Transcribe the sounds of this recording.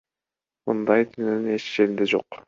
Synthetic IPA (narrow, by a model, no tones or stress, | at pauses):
mɯnd̪ɑjt̪ʰynynyne̞t͡ʃi̥ʃeɾind̪ed͡ʒo̞q